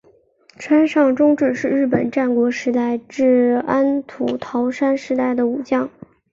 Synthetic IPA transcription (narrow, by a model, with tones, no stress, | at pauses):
ʈ͡ʂʰwa˥nʂɑ˥˧ŋʈ͡ʂʊ˥ŋʈ͡ʂɻ̩˥˩ʂɻ̩˥˧ɻɻ̩˥˩pə˨˩nʈ͡ʂa˥˩nkwɔ˧˥ʂɻ̩˧˥t̪a˥˧ɪʈ͡ʂɻ̩˥˩a˥nt̪ʰu˨˩t̪ʰɑ˧˥ʊʂa˥nʂɻ̩˧˥t̪a˥˩ɪd̪ə˩u˨˩t͡ɕjɑ˥˩ŋ